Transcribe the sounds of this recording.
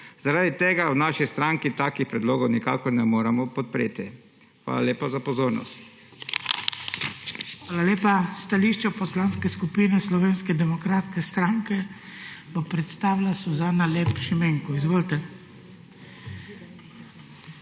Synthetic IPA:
z̥aɾad̪it̪eːɡawnaːʃist̪ɾaŋkit̪aːkixpɾɛd̪loːɡɔwnika̰ːkɔɾnɛmoːɾɛmɔpɔt̪̚pɾeːt̪i | xʋa̰ːlaleːpazapɔzoːɾnɔ̰st̪ | xʋaːlaleːpast̪aliːʃt͡ʃɛpɔslaːnskɛskupiːnɛslɔʋeːnskɛd̪ɛmɔkɾaːt̪skɛst̪ɾaːŋkɛ | b̥opɾɛt̪st̪aːʋlasuzaːnaleːpʃimeːŋkuizʋoːlt̪ɛ

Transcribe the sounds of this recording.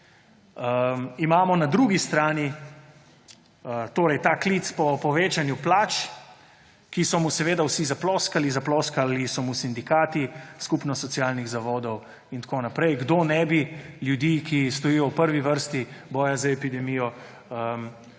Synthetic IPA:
əimaːmɔnad̪ɾuɡist̪ɾaːni | ət̪oːɾɛjt̪aːklit̪spɔpɔʋeːt͡ʃanjuplaːt͡ʃ | kisɔmusɛʋeːd̪awsizaplɔskalizaplɔːskalisɔmusind̪ikaːt̪iskupnɔsɔtsialniɣzaʋɔːd̪ɔw | int̪konapɾɛjɡd̪oːnɛbiljud̪ikist̪ɔiːjɔwpəɾʋiʋəɾst̪ibɔːjazaɛpid̪ɛmiːjɔ | əm

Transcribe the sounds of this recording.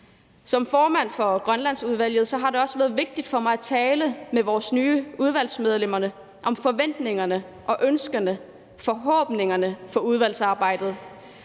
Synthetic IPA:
sɒ̽mfɒːmæn̰fɒ̽ɡ̥ʁɶnlæn̰suð̞ˠʋæl̰jð̞̩ˠsɒ̽ɦɑ̈ɾe̝ɒ̽sʋæːɐðˠʋe̝ɡ̥̚d̥id̥fɒ̽mɑ̈ɪæt͡sʰɛːləmeʋɒːsnyːuð̞ˠʋæl̰smeð̞ˠlem̰ɐnə | ʔɒ̽mfɒ̽ʋen̰d̥ne̝ŋɐnə | ʔɒ̽ʔønsɡ̥ənə | fɒ̽ɦɔ̰̽ːb̥ne̝ŋɐnəfɒ̽uð̞ˠʋæl̰sɑ̈ːb̥ɑ̈ɪ̰d̥ð̞̩ˠ

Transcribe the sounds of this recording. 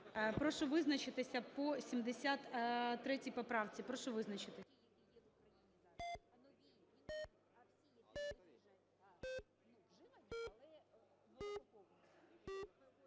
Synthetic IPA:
pɾɔʃɔʋɪznɐt͡ʃɪt̪ɪsʲɐpɔsʲimd̪esʲat̪t̪ɾɛtʲijpɔpɾɑwt͡sʲipɾɔʃɔʋɪznɐt͡ʃɪt̪ɪ

